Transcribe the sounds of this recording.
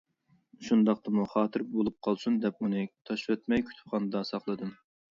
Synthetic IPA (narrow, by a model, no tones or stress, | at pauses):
ʃund̪ɑqt̪ɨmuχɑːt̪ʰɨɾbolˠup̚qʰɑlˠsund̪ɛpunɨt̪ʰɑʃwɛt̪mɛjkʲʰy̥t̪ʰɪ̥pχɑnɨd̪ɑsɑχlˠɨd̪ɨm